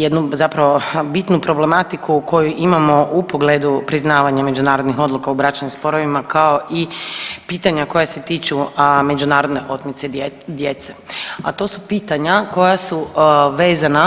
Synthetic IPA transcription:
jed̪nuzapɾaʋo̞bit̪nupɾo̞ble̞mat̪ikuko̞juʔimamo̞ʔupo̞ɡleːd̪upɾiznaːʋaɲame̞d͡ʒunaːɾod̪nixo̞d̪lukaubɾat͡ʃnimspo̞ɾoʋimakao̞ʔipiːt̪aɲako̞jase̞t̪iːt͡ʃume̞d͡ʒunaːɾo̞d̪ne̞ʔo̞t̪mit̪se̞d̪jet̪seat̪o̞ːsupiːt̪aɲako̞jasuʋe̞ːzana

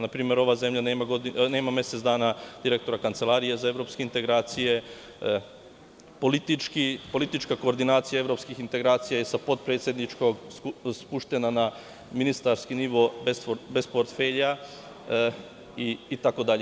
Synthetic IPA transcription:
napɾiːmjeɾo̞ʋaːze̞mʎaneːmaɡod̪ine̞ːmamje̞set̪zd̪aːnad̪̥iɾe̞k̚t̪o̞ɾakant̪se̞lˠaːɾije̞zae̞ʋɾo̞ːpske̞int̪e̞ɡɾaːt̪sije̞ | polit̪it͡ʃkipo̞lit̪it͡ʃkako̞ːɾd̪inaːt̪sijae̞ʋɾo̞pskixint̪e̞ɡɾaːt̪sijaje̞sapo̞d̪̚pɾet̪sje̞d̪nit͡ʃko̞ɡsspuʃt̪e̞nana | minist̪aɾskiniʋo̞bsbe̞spoɾt̪feʎa | iːt̪ako̞d̪aʎe

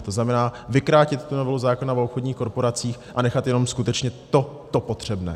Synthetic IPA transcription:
t̪o̞znamɛnaːvɪkɾaːcɪt̪ːunovɛluzaːkonavopxodɲiːxko̞ɾpo̞ɾat͡siːxʔanɛxat̪jɛno̞mskut̪ɛt͡ʃɲɛt̪o̞t̪o̞po̞t̪r̝̥ɛbnɛ̰ː

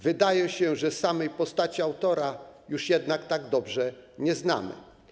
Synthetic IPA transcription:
vɘd̪ajɛɕɛʐɛsamɛjpɔst̪at͡ɕiawt̪ɔɾajuʂjɛd̪nakt̪aɡd̪ɔbʐɛɲɛzna̰mɘ̰

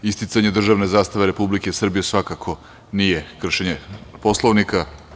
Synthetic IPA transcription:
ist̪it̪saɲe̞d̪r̩ʒaʋne̞zaːst̪aʋeɾe̞publike̞sr̩bijesʋakakʰo̞ | nijekr̩ʃeɲepo̞slˠoʋnika

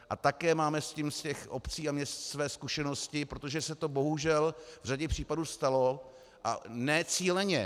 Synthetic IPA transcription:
ʔa̰t̪akɛːmaːmɛscimscɛxʔo̞pt͡siːamɲɛst̪svɛːskuʃɛno̞scɪpɾo̞t̪o̞ʒɛsɛt̪o̞bo̞ɦuʒɛlvr̝aɟɛpr̝̥iːpaduːst̪alo̞ | ʔa̰nɛt͡siːlɛɲɛ

